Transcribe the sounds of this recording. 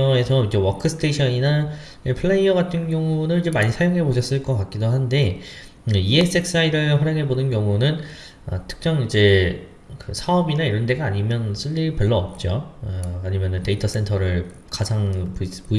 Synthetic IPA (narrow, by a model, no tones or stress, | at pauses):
ʌe̞sʰʌid͡ʑe̞wʌkʰɯsʰɯ̥tʰeɕʰʌnina | epʰɯɭːeiʌɡatʰɯnɡjʌŋunɯɭid͡ʑe̞maɲisʰajoŋɦe̞boɕʰʌs͈ɯɭk͈ʌk͈ak̚k͈idoɦande̞ | ɯie̞s͈ek̚s͈aiɾɯɭɸwaɾjʌŋɦe̞bonɯnɡjʌŋunɯn | ʌ̰tʰɯ̥k̚t͡ɕ͈ʌŋid͡ʑe̞ | kɯsʰaʌbinaiɾʌnde̞ɡaːɲimjʌnsʰuʎːipjʌɭːʌːp̚t͡ɕ͈oʌaɲimjʌnɯnte̞itʰʌs͈entʰʌɾɯɭ | kad͡ʑʰaŋppu